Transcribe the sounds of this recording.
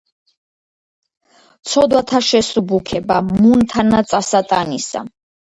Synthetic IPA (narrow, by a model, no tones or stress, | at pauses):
t̪sʰɔd̪wat̪ʰaʃɛsubukʰɛbamunt̪ʰanat̪sʼasat̪ʼanisa̰